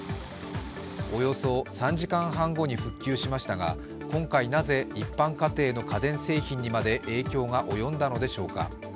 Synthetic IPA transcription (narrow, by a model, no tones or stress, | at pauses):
o̞jo̞so̞sãɲ̟d͡ʑikãɰ̃ɦãŋɡo̞ɲ̟iɸɯ̟kʲːɨːɕimaɕi̥t̪aɡa̰ | kõ̞ŋkainaze̞ipːãŋkat̪e̞ːno̞kad̪ẽ̞ɰ̃se̞ːçĩɲ̟ːimad̪e̞ʔe̞ːkʲo̞ːɡaʔo̞jõ̞nd̪ano̞d̪e̞ɕo̞ːka̰